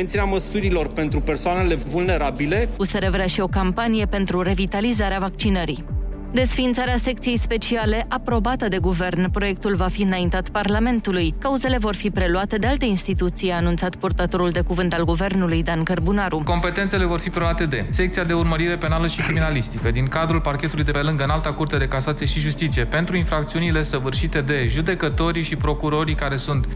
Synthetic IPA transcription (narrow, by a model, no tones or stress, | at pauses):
nt̪sineaməsuɾilo̞rpe̞nt̪ɾupe̞rsoane̞le̞vulne̞ɾabile̞useɾe̞vɾeaʃio̞kampanije̞pe̞nt̪ɾuɾe̞vit̪alizaɾeavak̚t͡ʃinəɾi | d̪e̞sfint̪saɾease̞k̚t̪sije̞jspe̞t͡ʃiale̞ʔapɾo̞bat̪əd̪e̞ɡuve̞rnpɾo̞je̞k̚t̪ulvafiɨnaint̪at̪parlame̞nt̪ulujkauze̞le̞vo̞rfipɾe̞luat̪e̞d̪e̞alt̪einst̪it̪ut̪sijaːnunt̪sat̪purt̪at̪o̞ɾuld̪e̞kuvɨnt̪alɡuve̞rnulujd̪ankərbunaɾuko̞mpe̞t̪ent̪se̞le̞vo̞rfipɾeluat̪e̞d̪e̞se̞k̚t̪siad̪e̞urməɾiɾe̞pe̞naləʃikɾiminalist̪ikəd̪iŋkad̪ɾulparkʲe̞t̪ulujd̪e̞pe̞lɨŋɡəɨnalt̪akurt̪ead̪e̞kasat̪sije̞ʃiʒust̪it̪sije̞pe̞nt̪ɾuinfɾak̚t̪siunile̞səvɨrʃit̪e̞d̪e̞ʒud̪e̞kət̪o̞ɾiʃipɾo̞kuɾo̞ɾikaɾe̞sunt̪